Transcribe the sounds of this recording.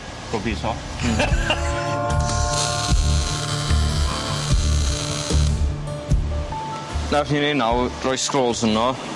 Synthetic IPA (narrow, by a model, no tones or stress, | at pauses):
b̥obisɔ | narninenawrɔjskroːlˠsənɔ